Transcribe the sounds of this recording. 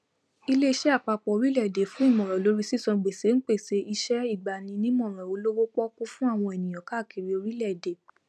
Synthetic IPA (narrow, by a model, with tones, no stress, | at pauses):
i˧le˦i˧ʃɛ˦a˦˨k͡pa˧k͡pɔ˨˧ɾi˦lɛ˦˨de˨fũ˦i˦˨mɔ̃˨ɾ̃ɔ̃˨lo˨˦ɾi˦si˦˨sɔ̃˧ɡ͡be˨se˨˦n̩˦k͡pe˦˨se˨˦ʔi˧ʃɛ˦i˦˨ɡ͡ba˨nĩ˧nĩ˦mɔ̃˦˨ɾ̃ɔ̃˨o˨˦lo˦wo˦k͡pɔ˦ku˦fũ˦a˦˨w̃ɔ̃˧e˨nĩ˨j̃ɔ̃˨ka˦˨kʰi˨ɾi˧o˧ɾi˦lɛ˦˨de˨